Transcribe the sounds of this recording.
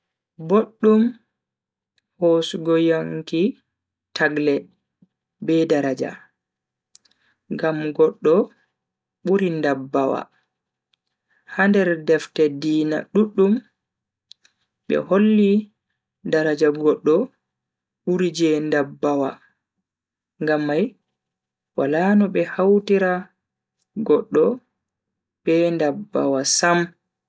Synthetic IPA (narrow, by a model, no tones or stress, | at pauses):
boɗːum | hosɡɔjaŋki | tʰaɡlɛ | bɛdaɾad͡ʒa̰ | ŋɡamɡɔɗːɔ | ɓuɾindabːawa̰ | handɛɾdɛftɛdiːna̰ɗuɗːum | ɓɛ̰holːi | daɾad͡ʒaɡɔɗːɔ | ɓuɾid͡ʒɛndabːawa̰ | ŋɡamːaj | walanɔɓɛhawtiɾa | ɡɔɗːɔ | bɛndabːa̰wasam